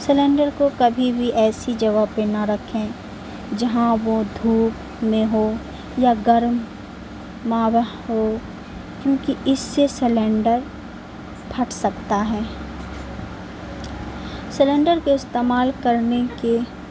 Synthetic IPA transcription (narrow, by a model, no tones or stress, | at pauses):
sɪlẽːɳɖəɾkokɐbʱibʱiʔɛːsid͡ʒɐʋaːpːenaɾɐkʰẽ | d͡ʒɐɦãʋod̪ʱuːp | mẽɦo | jaɡɐɾmː | ãːʋ | ɦo | kjõːkiɪsːesɪlẽːɳɖəɾ | bʰʱɐʈsɐkt̪aɦɛː | sɪlẽːɳɖəɾkoɪst̪eːmaːlkɐɾneke